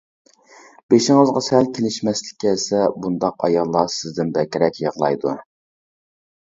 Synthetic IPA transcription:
b̥eʃɪŋɨzʁɑsɛlkʲʰelɪʃmɛslɪ̥kʲʰːɛsɛbund̪ɑqɑ̰jɑlˠːɑsɪzd̪ɪnbɛkʲiɾɛkʲjəʁlˠɑ̰jd̪u

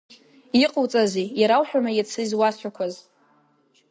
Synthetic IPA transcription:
iqʼowt͡sʼazijaɾawħᶣamajat͡sʰɨzwast͡ʃʷʰᶣakʷʰaz

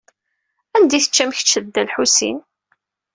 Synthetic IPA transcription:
ænd̪iθə̥t͡ʃːæmç̥t͡ʃːəðd̪ːælħusḭn

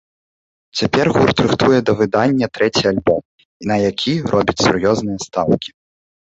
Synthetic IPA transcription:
t͡sʲapʲɛrɣurt̪ɾɨxt̪ujɛd̪ɐvɨd̪anʲːɐt̪ɾɛt͡sʲijalʲbɔm | nɐjakʲʰirʔɔbʲit͡sʲsurjɔznɨjɐst̪awkʲi̥

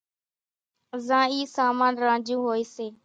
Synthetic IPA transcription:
zãːiːsaːmaːnɾãːnd͡ʒũːɦoːiːseː

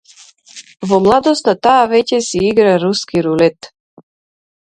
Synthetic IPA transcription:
vɔmlˠad̪ɔst̪at̪aːvɛcɛsiiɡɾaɾuskiɾulɛt̪

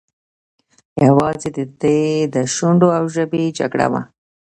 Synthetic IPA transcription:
jawɑzed̪əd̪əjd̪əʃʊɳɖoawʒəbed͡ʒa̰kɽa̰wa̰

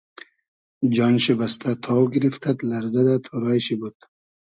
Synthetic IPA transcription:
d͡ʒɑnʃibast̪ʰat̪ʰɑwɡiɾift̪ʰat̪laɾzad̪at̪ʰuɾɑːjʃibud̪̥̚

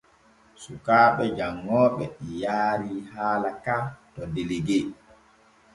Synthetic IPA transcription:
sukaːɓɛd͡ʒaŋːɔːɓɛɗijaːɾihaːlakatɔdeliɡe

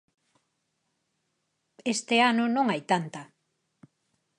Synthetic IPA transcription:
est̪eanʊnõŋajt̪ant̪ɐ

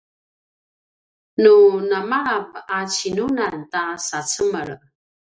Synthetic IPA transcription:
nunamaːp̚at͡ɕinunantasat͡səməɭ

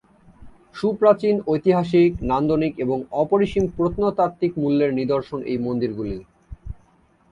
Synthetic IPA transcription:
ʃupɾat͡ɕinojt̪iɦaʃiknand̪onikeboŋɔpoɾiʃimpɾot̪not̪at̪ːikmulːeɾnid̪oɾʃonḛjmond̪iɾɡuli

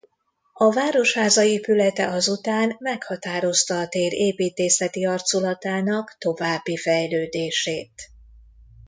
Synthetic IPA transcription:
ɒvaːɾo̞ʃhaːzɒeːpylɛt̪ɛ̰ʔɒzut̪aːnmɛkhɒt̪aːɾo̞st̪ɒːt̪eːɾeːpiːt̪eːsɛt̪iɒrt̪sulɒt̪aːnɒkt̪o̞vaːbːifɛjløːd̪eːʃeːt̪

